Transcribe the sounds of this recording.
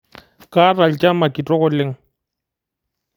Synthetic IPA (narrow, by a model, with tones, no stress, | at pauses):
kʼa˦ra˨l̩t͡ʃʼa˦ma˨kʼi˨tʼɔ˦ɣʊ˦le˦ŋ̩˦